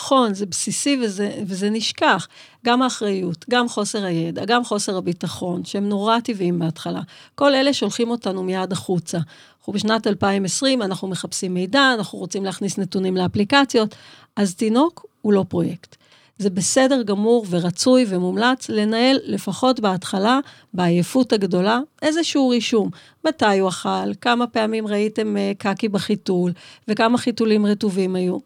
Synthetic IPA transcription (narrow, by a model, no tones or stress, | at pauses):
o̞nzebsisiveevezeniʃkaχ | ɡamaːχʁajutɡamχo̞se̞ʁaje̞da̰ɡamχo̞se̞ʁabitaχo̞nʃeemno̞ʁativimbeatχala̰ko̞le̞le̞ʃeo̞lχimo̞tanumijadaχut͡sa | ubeʃnatalpaimesʁimanaχnume̞χapsimːe̞jdaːnaχnuʁo̞t͡simlehaχnisne̞tunimleaplikat͡sjo̞t | ʔaztino̞kulo̞pʁo̞je̞kt | ze̞be̞se̞de̞ʁɡamuʁveʁat͡sujve̞mumlat͡sle̞nae̞lːe̞faχo̞tbeatχala | beːjefutaɡdo̞laʔe̞zeʃeuʁiʃum | matajuaχalkamape̞amimʁaite̞mkakibaχitulve̞kamaχitulimʁetuvimaju